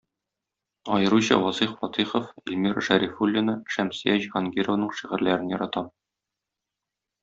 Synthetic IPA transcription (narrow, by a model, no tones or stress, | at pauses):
ɒjɤ̆ɾuɕɤ̰wɒziχfɒt̪iχŏfilʲmiɾʃæɾifulʲːɪnɤʃæmsijæʑʁɑŋɡʲiɾŏvnɤɴʃiʁɘ̆ɾlæɾɘnjɒɾɑt̪ɑm